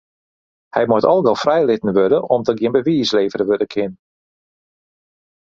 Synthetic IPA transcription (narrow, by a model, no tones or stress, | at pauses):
hɛ̰jmɔtɔlˠɡɔlˠfrɛjlɪtən̩ʋødəʔɔmdəɡjɪnbəʋiːsleːvərəʋødəkʰɪn